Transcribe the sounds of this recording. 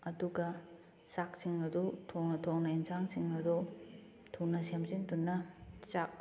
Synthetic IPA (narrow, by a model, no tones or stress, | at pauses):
ɐduɡɐ | sak̚siŋɐdutʰoŋnɐtʰoŋnɐinsaŋsiŋɐdu | tʰunɐsemzintunːɐt͡ʃak̚